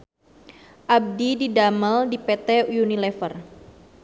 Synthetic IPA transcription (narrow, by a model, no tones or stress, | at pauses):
ʔab̚dididaməldipɛt̪ɛjunilɛfər